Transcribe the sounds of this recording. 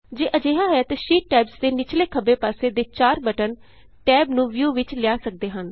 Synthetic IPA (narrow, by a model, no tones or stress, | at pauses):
d͡ʒeːʔəd͡ʒeːɦaːɦɛːt̪eʃiːʈːɛːbsd̪eːnɪt͡ʃleːkʰəbeːpaːseːd̪eːt͡ʃaːɾbəʈən | ʈɛːbnũːʋjuːʋɪt͡ʃlɪaːsək̚d̪eːɦən